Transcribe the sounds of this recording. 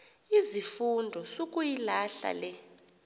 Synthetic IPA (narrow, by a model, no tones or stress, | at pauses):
izifundʱɔsokʼujilaɬa̰lɛ